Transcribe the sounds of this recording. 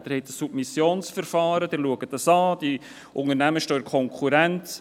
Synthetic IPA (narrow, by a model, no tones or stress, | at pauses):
d̥ɪɾhɛtəsːub̥misjoːnsfəɾfɑːɾəd̥ɪɾluəɡət̚dɑsɑːd̥i | ʔʊŋəɾnæməʃtøːkʰɔŋkʰuɾɛnt